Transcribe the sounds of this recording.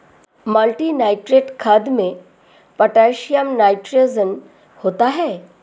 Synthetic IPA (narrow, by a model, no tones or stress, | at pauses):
mɐlʈinaːɪʈɾeːʈkʰad̪mẽ | pəʈɛːʃijəmnaːɪʈɾezən | hoːt̪aɦɛː